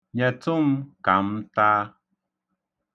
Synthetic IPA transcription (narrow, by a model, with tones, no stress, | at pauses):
ɲa˨t͡su˦˨mka˨˦mtaː˦